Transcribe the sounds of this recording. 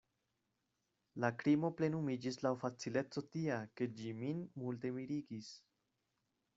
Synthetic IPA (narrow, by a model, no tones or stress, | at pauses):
lakɾimo̞ple̞numid͡ʒislawfat͡sile̞t͡so̞tiake̞d͡ʒiminmulte̞miɾiɡis